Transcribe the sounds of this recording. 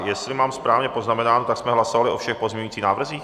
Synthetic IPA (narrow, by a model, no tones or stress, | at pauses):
jɛslɪmaːmspɾaːvɲɛpoznamɛnaːnot̪aksmɛɦlasovalɪʔo̞fʃɛxpozmɲɛɲuiːt͡siːxnaːvr̩ziːx